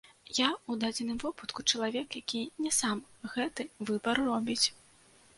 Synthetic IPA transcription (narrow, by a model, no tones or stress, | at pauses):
jaud̪ad͡zʲɛnɨmvɔput̪kut͡ʂɐlˠavʲɛkjakʲinʲɛsamɣɛt̪ɨvɨbɐrːɔbʲit͡sʲ